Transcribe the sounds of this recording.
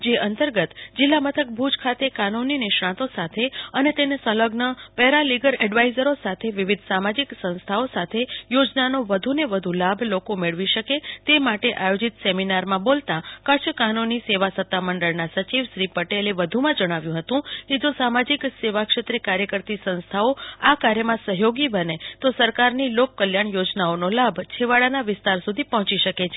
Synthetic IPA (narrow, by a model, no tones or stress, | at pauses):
d͡ʒeʔənt̪əɾɡət̪d͡ʒɪlːamət̪ʰək̚bʱud͡ʒkʰat̪ekanunːinɪʃɽãt̪osat̪ʰeənet̪enesə̃ləɡnəpɛɦɾaliɡəɾɛɖʋaizəɾosat̪ʰeʋiʋid̪ʱsamad͡ʒiksə̃nst̪ʰaosat̪ʰejod͡ʒnanoʋəd̪ʱuneʋəd̪ʱulabʱlokomeɭʋiʃəket̪emaʈeʔajod͡ʒit̪seminaɾmãbolt̪ãkət͡ʃʰkanoniseʋasət̪ːaməɳɖəɭnasət͡ʃiʋʃɾipəʈeleʋəd̪ʱumãd͡ʒəɽ̃aʋjũɦət̪ũked͡ʒosamad͡ʒikseʋakʃet̪ɾekaɾjəkəɾt̪isə̃nst̪ʰaoakaɾjəmãsəɦjoɡibənet̪osəɾkaɾnilokːəljaɳjod͡ʒnaonolabʱt͡ʃʰeʋaɭanaʋɪst̪aɾsud̪ʱipɔɦɔ̃t͡ʃiʃəket͡ʃʰe